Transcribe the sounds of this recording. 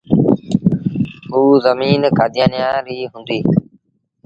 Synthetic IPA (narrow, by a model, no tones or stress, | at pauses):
ɦuːzəmiːnkʰaːd̪ɪjãːnɪjãːɾiːɦũnd̪iː